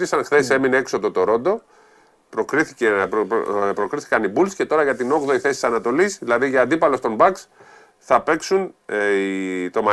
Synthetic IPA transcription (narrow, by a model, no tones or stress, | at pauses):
ɾisɐnxθe̞se̞mineeksod̪o̞t̪o̞ɾo̞nd̪o̞ | pɾokɾiθice | pɾo̞kɾiθi̥kɐnibulsce̞t̪o̞ɾɐʝɐt̪ino̞ɣðo̞iθe̞si̥sɐnɐt̪o̞lisðilɐðiʝɐːnd̪ipɐlo̞st̪o̞mbɐks | θɐpe̞ksunit̪o̞mɐ